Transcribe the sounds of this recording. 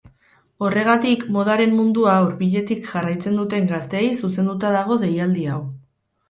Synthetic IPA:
o̞re̞ɣ̞at̪ikmo̞ð̞aɾe̞mːund̪uauɾβiʎe̞t̪ikʝarajt͡se̞nd̪ut̪e̞ŋɡast̪e̞ːjsuse̞nd̪ut̪aðaɣ̞o̞ðe̞jald̪iaw

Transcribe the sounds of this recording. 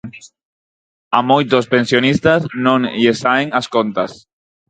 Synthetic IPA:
amojt̪ospensjonist̪aznõŋʎesaeŋaskont̪as

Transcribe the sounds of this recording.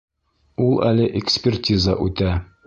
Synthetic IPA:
ulˠælɘʔɪkspʲɪrtʲizəʔʉt̪æ

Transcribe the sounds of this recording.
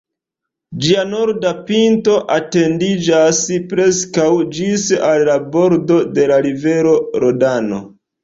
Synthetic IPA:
d͡ʒiano̞ɾdapinto̞ʔate̞ndid͡ʒaspɾe̞skawd͡ʒisalːabo̞ɾdo̞de̞laɾive̞ɾo̞ɾodano̞̰

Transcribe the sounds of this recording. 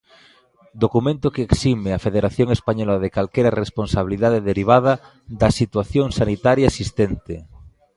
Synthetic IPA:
d̪okumẽnt̪okeːksimeafeðeɾaθjõŋespaɲɔlaðekalkejɾɐresponsaβiliðaðeðeɾiβ̞aðɐ | ðɐsit̪waθjoŋsanit̪aɾjaesist̪ent̪e

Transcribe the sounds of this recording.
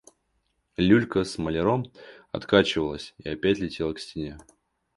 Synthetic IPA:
lʲulʲkəsməlʲɪɾomɐ̰t̪kat͡ɕɪvəlˠəsʲiɐpʲætʲlʲɪtʲe̞lˠəksʲtʲɪnʲe

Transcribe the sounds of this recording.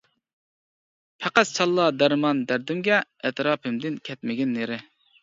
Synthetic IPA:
pʰæqæst͡ʃʰɑlˠːɑd̪æɾmɑnd̪æɾd̪ɪmɡʲɛɛt̪ɾɑːpʰɨmd̪ɪnkʲʰɛt̪mɪɡʲɪnːeɾɪ

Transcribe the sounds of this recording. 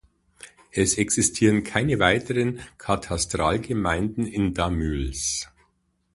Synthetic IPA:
ʔɛsɛksɪstʰiːʁənkʰaɪnəvaɪtəʁənkʰatʰastʁ̥aːlɡəmaɪndn̩ɪndamyls

